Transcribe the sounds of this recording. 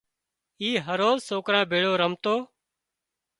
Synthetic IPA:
iːɦəɾoːzsoːkɾãːbʱeːɽoːɾəmt̪oː

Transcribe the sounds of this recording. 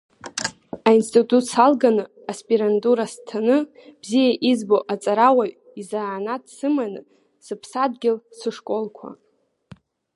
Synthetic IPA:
ainstʼitʼutʰsalɡanɨ | aspʼiɾanduɾastʰanɨb̥zijaʔizboʔat͡sʼaɾawa | izaːnadsɨmanɨ | sɨpʰsadɡʲɪlsɨʂkʼo̞lkʷʰa̰

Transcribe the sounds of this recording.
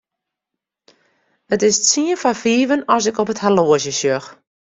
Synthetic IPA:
ətɪstsiənfafiːvənɔsɪkɔpəthaloəsjəsøx

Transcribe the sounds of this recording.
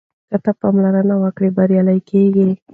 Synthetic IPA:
kat̪apamlaɾənawəkɽebaɾjɑlajkʰeɡi

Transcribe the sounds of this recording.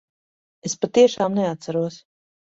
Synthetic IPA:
espat̪iɛʃaːmnɛat̪saɾuɔs

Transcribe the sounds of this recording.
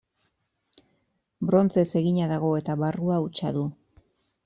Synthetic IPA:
bɾo̞nt͡se̞se̞ɣiɲaðaɣ̞o̞e̞t̪aβaruaut͡ʃa̰ðu

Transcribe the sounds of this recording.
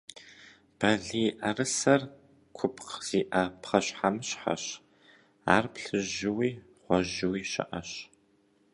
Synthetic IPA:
b̥ɐɮiːʔɐrɨsɐr | kʷʰʊpʰqz̥iːʔɐpχɐɕħamɨɕħa̰ɕ | a̰ːrpɬɨʒɪwiː | χʷɔʒɪwiːʃɪ̰ʔɐɕ

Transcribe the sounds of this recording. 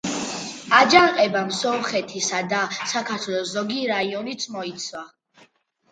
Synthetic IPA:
ad͡ʒaŋqʼɛbamsɔmχɛt̪ʰisad̪asakʰaɾt̪ʰwɛlˠɔszɔɡiɾaiɔnit̪sʰmɔit̪sʰwa

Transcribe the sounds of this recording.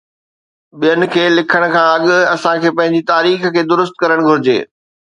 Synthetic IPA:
ɓijənɪ̆kʰeːlɪkʰəɽ̃kʰãːɐɠʊɐsãkʰeːpɐ̃ɦɪ̃ɲ̆d͡ʑit̪aːɾiːxkʰeːd̪ʊɾʊst̪̚kɐɾəɽ̃ɡʱʊɾɪd͡ʑḛː

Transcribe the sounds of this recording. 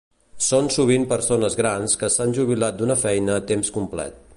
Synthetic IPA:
sonsuβ̞impəɾsonəzɣɾanskəsanʲʒuβ̞ilat̪̚d̪unəfɛjnəːt̪emskumplɛ̰t̪̚

